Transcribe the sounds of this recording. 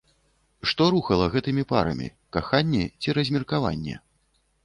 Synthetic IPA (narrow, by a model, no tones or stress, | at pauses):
ʂt̪ɔɾuxɐlˠɐɣɛt̪ɨmʲipa̰ɾɐ̰mʲḭ | kaxanʲːɛt͡sʲiɾɐzʲmʲirkava̰nʲːɛ̰